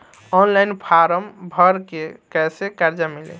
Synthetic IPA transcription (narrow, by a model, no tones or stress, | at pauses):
ɔnlajnpʰaɾəmbʱəɾkekɛsekaɾd͡ʒamilḛ